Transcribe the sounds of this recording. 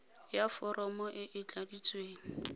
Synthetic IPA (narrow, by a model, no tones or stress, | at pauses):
jafɔrʔɔmɔʔɪʔɪt͡ɬadit͡sʼweːŋ̩